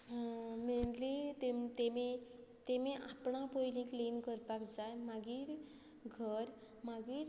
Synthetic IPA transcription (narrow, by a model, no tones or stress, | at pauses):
meɳlit̪et̪emet̪emẽʔapɳapojlĩklinkəɾpakd͡zajmaɡiːɾ | ɡʱəɾ | maɡiːɾ